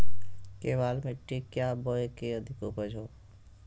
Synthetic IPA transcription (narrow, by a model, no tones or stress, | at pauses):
keːʋaːlmeʈːikjaːbɔːekeəd̪ʱɪkopəd͡ʒʱoː